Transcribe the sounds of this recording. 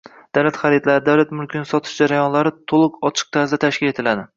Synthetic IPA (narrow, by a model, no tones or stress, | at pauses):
d̪̥awlat̪χaɾid̪laɾɪd̪awlat̪mʊlˠkʲɪnɪsɒt̪ʰɪ̥ʃd͡ʒaɾajɒnlaɾɪt̪ʰolˠɨqɒt͡ʃʰɪ̥q̚t̪ʰaɾzd̪at̪ʰaʃkʲɪle̞t̪ʰɪlad̪ɪ